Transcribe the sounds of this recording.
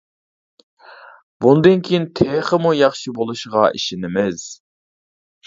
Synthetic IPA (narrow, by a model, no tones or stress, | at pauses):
bund̪ɨnkʲʰijint̪ʰeχəmujɑχʃibolˠuʃʁɑʔḭʃɪnɪmɪz̥